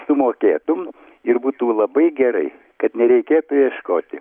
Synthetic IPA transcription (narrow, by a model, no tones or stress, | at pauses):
sʊmoːkʲeːt̪ʊm | ɪrbuːt̪ulˠɐbɐɪɡʲɛɾɐ̰ɪ | kɐt̪nʲɛɾʲɛɪkʲeːt̪ʊjɛʃkoːt̪ʲɪ